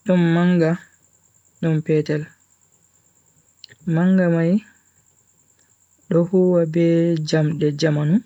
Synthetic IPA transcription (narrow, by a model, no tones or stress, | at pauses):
ɗɔnːaŋɡa | ɗɔmpɛːtɛl | maŋɡamaj | ɗɔhuːwabɛd͡ʒamɗɛd͡ʒamanu